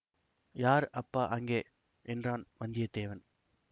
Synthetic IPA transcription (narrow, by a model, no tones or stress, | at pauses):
jaːɾɐpːaːʔɐŋɡeː | ʔɛndraːnʋɐnd̪ɪjɐd̪eːʋɐn